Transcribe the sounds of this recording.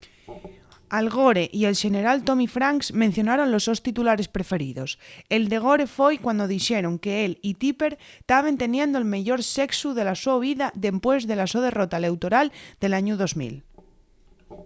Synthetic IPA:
alɣo̞ɾe̞ʔie̞lʃe̞ne̞ɾalt̪o̞mifɾaŋksmen̟θjo̞naɾo̞nlo̞zðo̞st̪it̪ulaɾe̞spɾe̞fe̞ɾḭðo̞se̞ld̪e̞ɣ̞o̞ɾe̞fojkwand̪o̞ðiʃe̞ɾo̞ŋke̞elit̪ipe̞ɾt̪aβe̞nt̪e̞njẽ̞nd̪oelmeʝo̞ɾse̞ksuðe̞lasoβiðaðe̞mpwe̞zðe̞lasoðe̞ro̞t̪ale̞wt̪o̞ɾald̪̥e̞laɲuð̞o̞zmḭl

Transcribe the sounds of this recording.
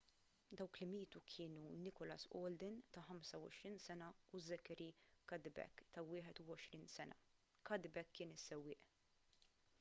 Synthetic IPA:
d̪ɐwklɪmiːt̪ukʰɪːnunɪkɔlɐ̰sɔːld̪ɪnt̪ɐħɐmsɐwɔ̰ʃɾiːnsɛnɐuzɛkɛɾikɐd̪bɛ̰kːt̪ɐwɪːħɛt̪uwɔʃɾiːnsɛnɐ̰ | kɐd̪ɪbɛkʰːɪːnɪsːɛwːɪːʔ

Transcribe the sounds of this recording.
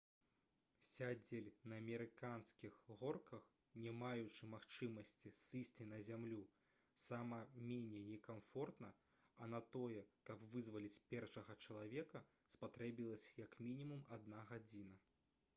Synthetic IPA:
sʲad͡zʲelʲnɐːmʲɛɾɨkanskʲixɣɔrkɐx | nʲɛmajut͡ʂɨmaxt͡ʂɨmɐsʲt͡sʲisɨsʲt͡sʲinɐzʲamlʲu | samɐmʲenʲɛjnʲɛkamfɔrt̪nɐ | ɐnɐt̪ɔjɛkɐpvɨzvɐlʲit͡sʲpʲɛrʂɐɣɐt͡ʂɐlˠavʲɛkɐ | spat̪ɾɛbʲilˠɐsʲjɐkmʲinʲimumad̪̚naɣad͡zʲinɐ

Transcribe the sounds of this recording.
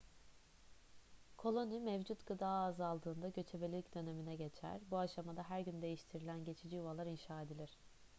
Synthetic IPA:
kʰo̞lˠo̞nimɛvd͡ʒut̪ɡ̥ɯd̪aːzalˠd̪ɯːnd̪aɟø̞t͡ʃʰebelʲilʲicd̪ø̞ne̞minɛɟe̞t͡ʃʰæ̰ɾbuaʃamad̪aɦæɾɟynd̪e̞jiʃt̪ʰiɾilʲænɟe̞t͡ʃʰid͡ʒiuvalˠaɾinʃaːed̪ilʲiɾ̝̥

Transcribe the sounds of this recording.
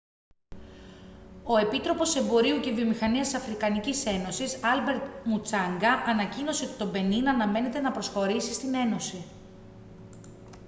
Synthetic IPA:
o̞e̞pit̪ɾo̞po̞se̞mbo̞ɾiucevio̞mixɐniɐst̪isɐfɾikɐnicise̞no̞sisɐlbe̞ɾt̪mut͡sɐŋɡɐʔɐnɐcino̞set̪o̞be̞ninɐnɐme̞ne̞t̪e̞nɐpɾo̞sxo̞ɾisist̪ine̞no̞si

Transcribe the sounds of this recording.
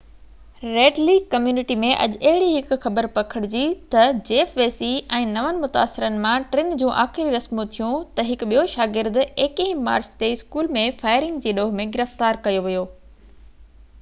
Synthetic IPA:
ɾeːɖliːkɐmjuːnɪʈimẽʔɐ̰ʄɐɦɪɽiɦɪkʊxɐbəɾpɐkʰəɽ̃ɪd͡ʑit̪ɐd͡ʑeːfʋeːsiɛ̃ːnɐʋənɪ̆mʊt̪a̰ːsɪɾənɪ̆mãʈɾɪnd͡ʑũːʔaːxɪɾiɾɐsmũt̪ʰijũt̪ɐɦɪkɓijoʃaːɡɪɾd̪eːkẽɦma̰ːɾt͡ɕt̪eɪskuːlmẽfaːɪɾɪ̃ŋɡd͡ʑeːɗoːɦmẽɡɪɾəft̪aːɾkɐjoʋijoː

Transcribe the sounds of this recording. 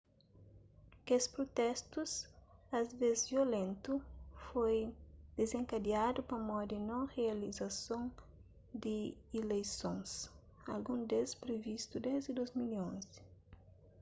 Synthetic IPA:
kespɾot̪ɛst̪usazvezviolẽnt̪ufojd̪̥ezẽŋkad̪iad̪ʊpɐmɔd̪ɪnɐ̃wʁealizasõn | d̪ɪilejsõns | a̰lɡũnd̪espɾevist̪ud̪ɛzd̪ɪd̪ojzmiliõnzɪ̥

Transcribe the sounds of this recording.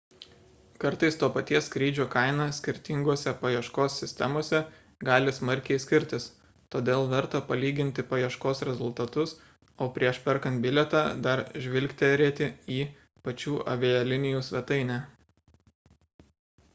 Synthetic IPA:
kɐɾt̪ɐɪst̪oːpɐt̪ʲiɛskɾʲiːd͡ʒʲuːkɐɪnɑsʲkʲɪɾʲt̪ʲɪŋɡoːsʲɛpɐjiɛʃkoːsːʲɪsʲt̪ʲɛ̰moːsʲɛ | ɡɑːlʲɪsmɐɾʲkʲɛɪsʲkʲɪɾʲt̪ʲɪs | t̪oːd̪ʲeːlˠʋʲɛɾt̪opɐlʲiːɡʲɪnʲt̪ʲɪpɐjiɛʃkoːsɾʲɛzʊlˠt̪ɐt̪ʊs | oːpʲɾʲiɛʃpʲɛɾkɐnt̪̚bʲɪlʲɛt̪ɑːd̪ɐɾʒʲʋʲɪlʲkt̪ʲɛɾʲeːt̪ʲɪiː | pɐt͡ʃʲuːʔɐ̰ʋʲejɛlʲɪnʲɪjuːsʲʋʲɛt̪ɐɪnʲæː

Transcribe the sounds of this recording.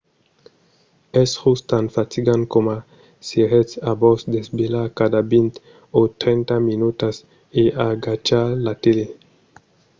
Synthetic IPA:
eshustanfatiɡankoma | siɾet͡sabosd̪esbelakadabint̪ | ot̪ɾent̪aminutas | eaɡat͡ʃalatele

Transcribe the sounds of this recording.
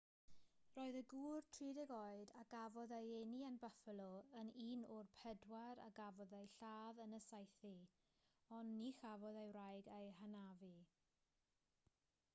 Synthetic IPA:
rɔːɨðəɡuːrtʰriːdɛɡɔɨdaɡ̥avɔðejeniənbafəlˠɔəniːnʊrpʰɛdwaɾa̰ɡavɔðejɬaːðənəsajθi | ɔnːixavɔðejrajɡejɦanavi

